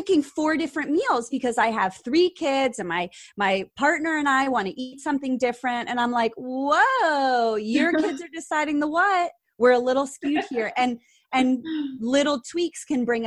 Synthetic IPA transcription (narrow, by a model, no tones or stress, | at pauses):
ɪkɪ̃ŋfɔɹdɪfɹɨ̃nmilˠzbɨkʰʌzaɪɨv̥θɹikʰɪdzɨ̃nmaɪmaɪpʰɑɹtⁿnə˞ɨ̃naɪwɑ̃ɾ̃ɨʔitsʌ̃mθɪ̃ŋdɪfɹɨ̃ntɨ̃nãɪ̃mlaɪkwo | jə˞kʰɪdzə˞dɨsaɪɾɪ̃ŋðəwʌt̚ | wɪɹəlɪɾl̩ˠskjʉd̚hiɹʔɨ̃n | ɨ̃nlɪɾl̩ˠtʰw̥ikskʰɨ̃nbɹɪ̃ŋ